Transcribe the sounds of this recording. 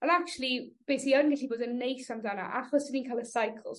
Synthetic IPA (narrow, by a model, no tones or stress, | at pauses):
ɔnakt͡ʃulˠib̥eːsiɔnɡɛɬiboːdənːejsamdana̰ʔaχɔsdəniːnkʰalˠəsajkʰl̩ˠz̥